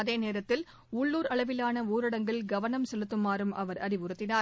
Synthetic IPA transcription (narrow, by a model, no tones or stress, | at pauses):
ɐðeːneːɾɐt̪ːɪl | ʊɭːuːɾɐɭɐʋɪlaːnɐuːɾɪɽɐŋɡɐɭɡɐʋɐnɐmsɛlɯt̪ːɯmːaːɾɯmʔɐʋɐɾɐɾɪʋɯɾɯt̪ːɪnaː